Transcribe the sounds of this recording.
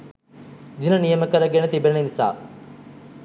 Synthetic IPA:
d̪inɐnijɐmɐkɐɾɐɡenet̪ibenɐnɐʋisa̰ː

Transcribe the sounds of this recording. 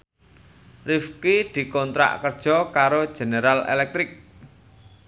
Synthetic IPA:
rifkid̪̥i̤kɔnt̪ɾa̰ʔkərd̥ʒ̥ɔ̤kaɾod̥ʒ̥e̤neɾalḛlɛk̚t̪ɾɪk̚

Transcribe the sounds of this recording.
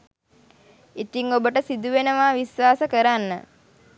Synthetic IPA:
it̪iŋobəʈəsid̪uʋenəʋaːʋisʋaːsəkəɾanːə̰

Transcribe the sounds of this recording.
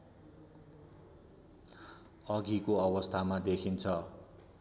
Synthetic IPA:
ʌɡikoʌwʌst̪ʰamad̪ekʰint͡sʰʌ

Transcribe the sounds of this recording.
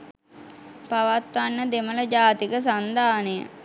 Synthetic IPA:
paʋat̪ʋanːəd̪emələd͡ʒaːt̪ikəs̬and̪aːnəjə̰

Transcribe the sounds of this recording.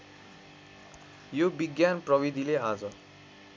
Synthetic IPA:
jobiɡjanprʌbid̪ʱilead͡zʌ

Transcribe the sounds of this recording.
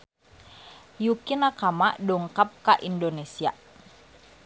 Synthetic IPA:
jukinakamaʔdɔŋkap̚kaʔindonesia̰

